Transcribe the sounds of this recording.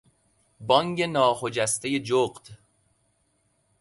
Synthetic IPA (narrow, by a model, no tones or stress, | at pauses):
bɒŋɟe̞nɒːxo̞d͡ʒæst̪ejed͡ʒoɢd̪̥